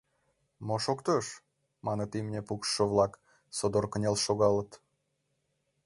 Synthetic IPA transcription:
moʃokt̪øʃ | mɑnət̪imnʲepukːəβlɑk | sod̪orkənʲelʃoɣɑlət̪

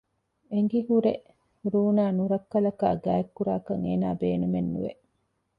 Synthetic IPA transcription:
eŋ̆ɡiɦuɾe | ɾuːnaːnuɾɐkːɐlɐka̰ːɡæːekːuɾaːkɐŋeːnaːbeːnumenːṵʋḛ

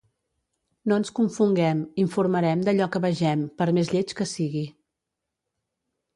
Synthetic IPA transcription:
noənskuɱfuŋɡɛmiɱfuɾməɾɛmd̪əʎɔkəβəʒɛmpəɾmezʎet͡ʃkəsiɣi

